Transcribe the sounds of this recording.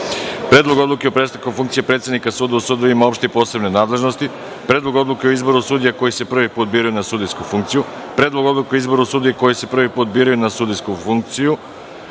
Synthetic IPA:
pɾe̞ːd̪lˠoɡo̞d̪lˠukeopɾeːst̪akofuŋkt̪sijepɾet̪sed̪nikasuːd̪ausuːd̪oimaopʃt̪ipo̞ːse̞bne̞naːd̪le̞ʒno̞st̪i | pɾeːd̪lˠo̞ɡo̞d̪lˠukeoizbo̞ɾusuːd̪ijako̞jise̞pr̩ʋipuːt̪̚biːɾajunasuːd̪iskufuŋk̚t̪siju | pɾeːd̪lˠo̞ɡo̞d̪lukeoizbo̞ɾusuːd̪ijeko̞jise̞pr̩ʋipuːt̪̚biːɾajunasuːd̪iskufuŋk̚t̪siju

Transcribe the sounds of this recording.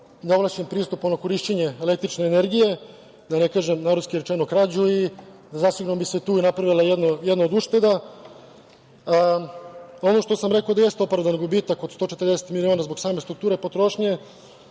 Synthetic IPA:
neoʋlat͡ɕempɾiːst̪uponoko̞ɾiʃt͡ɕeɲeele̞k̚t̪ɾit͡ʃne̞ːne̞ɾɡije̞ | d̪anekaːʒemnaɾuskiɾet͡ʃenokɾad͡ʑui | zasiɡuɾombise̞t̪uːinapɾaʋilˠajed̪nojed̪naod̪uʃt̪e̞d̪a | o̞no̞ʃt̪osamɾe̞kaod̪aje̞st̪eopɾavd̪anɡubiːt̪ako̞d̪st̪o̞ːt͡ʃet̪ərd̪eset̪milionazboksaːme̞st̪ɾuk̚t̪uːɾepo̞t̪ɾo̞ʃɲe

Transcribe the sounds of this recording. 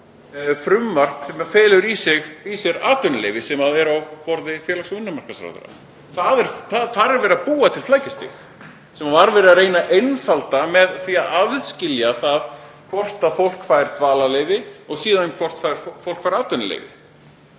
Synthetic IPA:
fɾʏmːar̥t̪sɛmafɛːlʏɾisɪɣisɛɾaːt̪ʏnlḛjvɪsɛmaðɛɾawpɔɾðɪfjɛːlaksʏnːʏmar̥kasɾa̰wðʏ̰ɾa̰ | θaðɛɾθaθaɾɛɾvɛːɾɪapuːat̪ʰɪlflaːjcɪst̪ɪ̰x | sɛmavaɾvɛːɾɪðaɾeːjnaʔejnfalt̪amɛðθiːaðaðscɪljaθaðkʰvɔr̥t̪aðfowl̥kfaːjɾ̥t̪vaːlaleːjvɪɔɣsiːðanɛmkʰv̥ɔr̥t̪fajɾfowl̥kfajɾaːt̪ʏnalḛːjvɪ̰

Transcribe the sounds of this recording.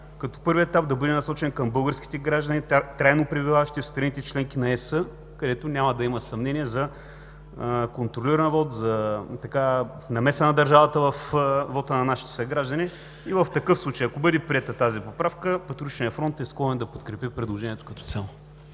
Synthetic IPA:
kɐt̪ɔ̥pɤɾviɛt̪ap̚d̪ɐbɤd̪ɛnɐsɔt͡ʃɛnkɐmbɤlˠɡəɾsk̟i̥t̪ɛɡɾaʒd̪ənit̪ɾajnopɾibivavɐʃt̪ifst̪ɾɐnit̪ɛt͡ʃlɛŋk̟inɐɛsə | kɐd̪ɛt̪onʲaməd̪ɐimɐsɐmnɛniɛzɐ | kont̪ɾoliɾɐnvɔt̪zɐt̪ɐka | nɐmɛsənɐd̪ɐɾʒavɐt̪əvəfvɔt̪ənɐnaʃi̥t̪ɛ̥səɡɾaʒd̪ɐni | ivɐft̪ɐkɤfslˠut͡ʃejɐkobɤd̪ɛpɾiɛt̪ət̪azipopɾafkəpɐt̪ɾuɾit͡ʃnʲijɐfɾɔnt̪ɛsklˠɔnɛnd̪ɐpot̪kɾɛpipɾɛd̪lˠoʒɛniɛt̪o̥kɐt̪ɔ̥t̪sʲɛlˠo

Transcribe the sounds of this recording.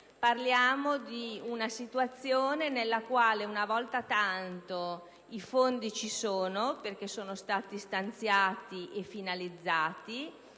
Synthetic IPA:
parljaːmod̪iunasit̪uat̪sːjoːnenelːakwaːleunavɔlt̪at̪ant̪o | ifond̪it͡ʃisoːnoperk̟esoːnost̪aːt̪ist̪ant̪sjaːt̪iʔefːinalid̪zːaːt̪i

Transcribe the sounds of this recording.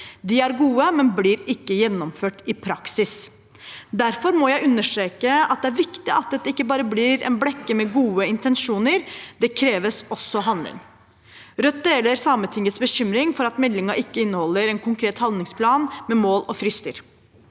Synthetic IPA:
d̪ɪæɾɡuːəmɛnblɪɾɪkːəjɛnːɔmføːʈɪpʰɾɑksɪs | d̪æɾfɔɾmɔjæɪʉnːəʂʈɾeːkəɑt̪̚d̪ɛæɾʋɪkt̪ɪʔɑt̪̚d̪ɛt̪ːəɪkːəbɑːɾəblɪɾɛ̰nblɛkːəmɛɡuːəɪnt̪ɛnʂuːnəɾd̪ɛkʰɾeːʋəsɔsːɔɦɑnd̪lɪ̰ŋ | ɾœt̪̚d̪eːləɾsɑːmənt̪ʰɪŋət̪sbəɕʏmɾɪŋfɔɾɑt̪mɛlːɪŋɑʔɪkːəɪnːəhɔlːəɾɛnkʰʊŋkʰɾeːt̪hɑnd̪nɪŋspʰlɑːnmɛmoːlɔfɾɪst̪ə̰ɾ

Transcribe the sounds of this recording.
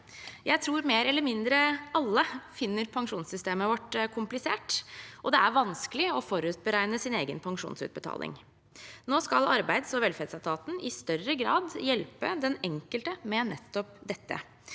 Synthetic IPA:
jæɪt̪ʰɾuːɾmeːɾɛlːəɾmɪnd̪ɾəɑlːəfɪnːəɾpʰɑŋʂuːnsʏst̪eːməʋɔʈːkʰʊmplɪsḛːʈʔɔd̪ɛæɾʋɑnskəlɪɔfɔɾʉːt̪̚bəɾæɪnəsɪneːɡənpʰɑŋʂṵːnsʉ̰ːt̪̚bət̪ʰɑ̰ːlʔɪ̰ŋ | noːskɑlɑɾbæɪd̪sɔʋɛlfɛːd̪sɑt̪ʰɑːt̪n̩ɪst̪œrːəɡɾɑːd̪jɛlpəd̪ɛnɛŋkəlt̪əmɛnɛt̪ːɔp̚d̪ɛt̪ːə̰

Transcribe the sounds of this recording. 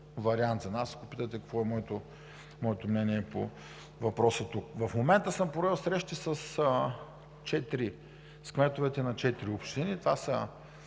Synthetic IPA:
vɐɾiant̪zɐnaskopit̪ət̪ɛkɐkvɔɛmɔɛt̪o | mɔɛt̪omnɛniɛpo̰ | vɐpɾɔsət̪uk̚vɐfmomɛnt̪əsɤmpɾɛlˠsɾɛʃt̪isəsə | t͡ʃɛt̪ɾi | skvɛt̪ovɛt̪ɛnɐt͡ʃɛt̪iɾiopʃt̪init̪vasə

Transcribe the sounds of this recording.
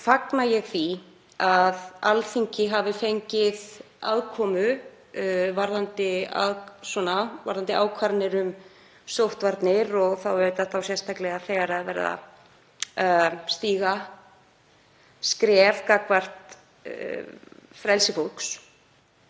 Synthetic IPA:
faknajɛɣθi | aðalθiɲcɪɦavɪfejɲcɪð | a̰ðkʰɔːmʏ | vaɾðant̪ɪa̰ðswɔnava̰ɾðant̪ɪʔaːwkʰvaɾt̪nɪɾʏm | sowht̪vaɾt̪nɪɾɔɣθawœt̪aθawsjɛst̪aklɛɣaθɛɣaɾaðvɛ̰ːɾɪ̰ða̰ | st̪iːɣa | skɾɛvkakvar̥t̪ | fɾɛlsɪfolks

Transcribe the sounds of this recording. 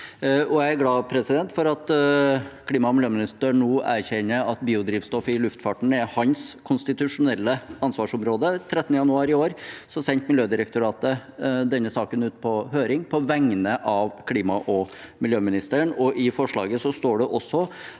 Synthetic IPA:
ɔæɪæɡlɑːpʰɾɛsɪd̪ɛnt̪fɔɾɑt̪ | kʰliːmɑɔmɪljøːmɪnɪst̪əɳɳuːæːɾçɛnːəɑt̪biːʊd̪ɾiːʋst̪ɔfɪlʉft̪fɑʈɳ̩æɾhɑnskʰʊnst̪ɪt̪ʉʂʊnɛlːəɑnsʋɑːʂɔmɾoːd̪ət̪ʰɾɛt̪ənəjɑnʉɑːɾɪoːɾsɔsɛnt̪mɪljøːd̪ɪɾək̚t̪ʊɾɑːt̪əd̪ɛnːəsɑːkənʉːt̪̚pʰɔhøːɾɪŋpʰɔʋæŋːənəʔɑʋkʰliːmɑʔɔmɪljøːmɪnɪst̪əəɳɔʔɪfɔʂɭɑ̰ːɡəsɔst̪oːɖɛʔɔsːɔ

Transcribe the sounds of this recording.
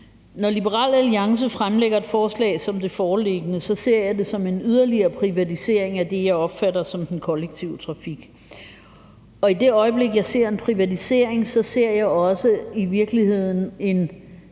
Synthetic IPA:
nɒlib̥əʁɑ̰ːlæliɑ̈ŋs̬əfʁamleɡ̥ɐe̝d̥fɒːslɛ̰ɪsɒ̽md̥e̝fɒːle̝ɡ̥ənəsɒ̽se̝ɐ̰jɑ̈ɪde̝sɒ̽me̝nyð̞ˠɐliɐːpʰʁiʋæt͡sʰise̝ɐ̰eŋæd̥e̝jɑ̈ɪɒ̽b̥fæɾɐsɒ̽md̥enkʰɒ̽leɡ̥̚t͡sʰiʊ̰t͡sʰʁɑ̈fiɡ̥ | ɒ̽id̥e̝ɒ̽ɪəb̥le̝ɡ̥jɑ̈ɪse̝ɐ̰e̝npʰʁiʋæt͡sʰise̝ɐ̰eŋsɒ̽se̝ɐ̰jɑ̈ɪɒ̽səiʋiɐɡ̥lihe̝ð̰ˠn̩e̝n

